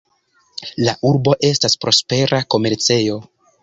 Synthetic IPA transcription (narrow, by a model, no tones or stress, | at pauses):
laʔuɾbo̞ʔe̞staspɾo̞spe̞ɾʔako̞me̞ɾt͡se̞jo̞